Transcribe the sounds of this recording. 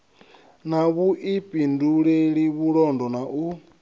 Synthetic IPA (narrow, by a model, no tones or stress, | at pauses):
naβuʔipʼinduɺeɺiβuɺɔndɔnaʔu